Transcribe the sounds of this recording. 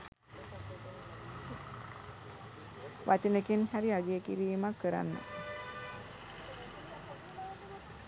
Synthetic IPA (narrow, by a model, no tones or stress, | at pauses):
ʋʔat͡ʃənekenhæɾiaɡeːkiɾiːmakːəɾa̰nːə̰